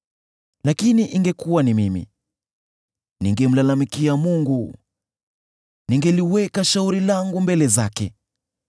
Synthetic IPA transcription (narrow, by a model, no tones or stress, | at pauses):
lakiniʔiŋɡɛkuwanimimḭ | niŋɡɛm̩lalamikiamuŋɡu | niŋɡɛliwɛkaʃauɾilaŋɡumbɛlɛzakɛ